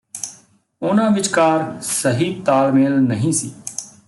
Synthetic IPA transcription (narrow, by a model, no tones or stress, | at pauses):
ʊnãːʋɪt͡ʃkaːɾsəɦiːt̪aːlmeːlnəɦĩːsiː